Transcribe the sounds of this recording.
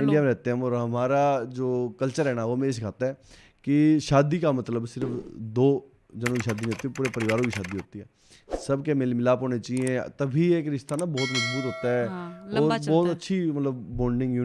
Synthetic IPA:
ɪ̃ɳɖijaːmẽɾɛːt̪ẽɦãːmɔːɾɦəmaːɾaːd͡ʒoːkəlt͡ʃəɾɦɛːnaːomẽːs̬ɪkʰaːt̪aɛː | kɪʃaːd̪iːkaːmət̪ləbsɪɾəfd̪oː | d͡ʒənõkiːʃaːd̪iːnĩoːt̪ːipuːɾeːpəɾɪʋaːɾõkiːʃaːd̪iːɦoːt̪iːɛː | səbkemeːlimɪlaːpoːñeːt͡ʃaːiẽt̪əbʱiːeːkɾɪʃt̪aːnaːbɔːt̪məd͡ʒbuːt̪ɦoːt̪aɦɛːɔːɾbɔːt̪ətːʃʰiːmət̪ləbːoːɳɖɪ̃ŋɡjuː

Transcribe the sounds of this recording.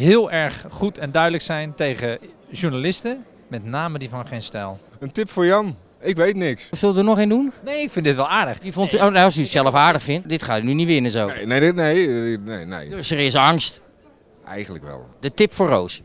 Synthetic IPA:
ɦɪːlˠɛɹχχutʰɛndœɥdələksɛjntejχəʒuɹnalɪstə | mɛtnaːmədivɑnχejnstɛlˠəntɪpfʊːɹjɑn | ɪkʋejtnɪkssɪlˠdənɔχendunnejɪkfɪndɪtʋɛlˠaːɹdəχifɔntyoneɔsyətsɛlˠəfaːɹdəχfɪntdɪtχaːtynyniʋɪnəzownenejnenḛdøsərɪsɑŋst | ɛ̰jən̩lə̰kʋɛ̰lˠdətɪpfoːro̰ws

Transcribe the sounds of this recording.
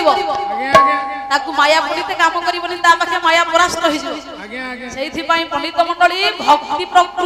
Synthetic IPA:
ibɔ | t̪akumajapɔɽit̪ekamɔkɔɾibɔnint̪alakʰamajapɔɾast̪ɔɦid͡ʒʰʱibɔ | seit̪ʰipaĩpɔɽ̃itp̪ɔmɔɳɖɔɭibʱɔkt̪ipɾɔkɾ

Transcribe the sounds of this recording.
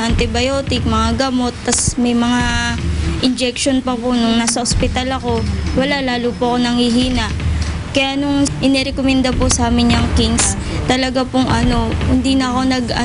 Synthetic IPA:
ʔɐnt̪ɪbɐjo̞ːt̪ɪk̚mɐŋaɡɐmo̞t̪ːɐsmɐjmɐŋa | ʔɪnd͡ʒɛk̚ʃonpɐponʊŋnaːsɐʔospɪt̪alɐko̞wɐlalaːlupʊɐko̞nɐŋhɪɦiːnɐʔ | kɐjaʔnʊŋʔɪnɛɾɛkomɛnd̪apʊsɐaːmɪɲɲɐŋkins | t̪ɐlɐɡapʊŋʔɐno̞hʊnd̪inɐʔɐko̞nɐɡɐ

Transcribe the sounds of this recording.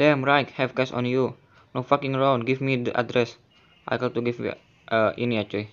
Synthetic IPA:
dɛmɹajthɛvkɛsɔ̰̃nju | nofakĩŋəɹãw̃nɡivmidəʔa̰dɾɛs | ʔa̰jkɔtuɡivmḭ | ʔəʔiniat͡ʃɔj

